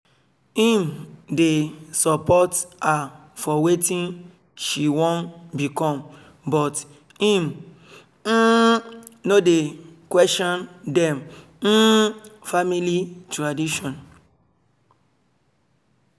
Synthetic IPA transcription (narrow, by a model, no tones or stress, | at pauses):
hĩmdesɔpɔta | fɔwetĩn | ʃiwõnbikɔ̃m | bɔt | hĩm̩ | nodekwɛstɔ̃ndɛ̃m̩ | familitɹadiʃɔ̃n